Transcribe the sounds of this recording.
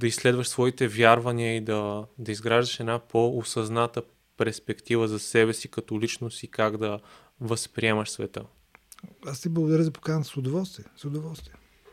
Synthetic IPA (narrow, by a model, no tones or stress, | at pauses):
d̪ɐislɛd̪vəʃsvɔit̪ɛvjaɾvɐniəid̪ɐd̪ɐizɡɾaʒd̪əʃɛd̪napoosɐznat̪ə | pɛɾspɛkt̪ivəzɐsɛbɛsikɐt̪ɔlit͡ʃnost̪ikaɡd̪ɐ | vəspɾiɛmɐʃsvɛt̪ə̰ | ast̪iblˠɐɡʊd̪ɐɾʲəzɐpo̥kanʲəzsʊd̪ovɔlˠst̪viəsʊd̪ovɔlˠst̪viə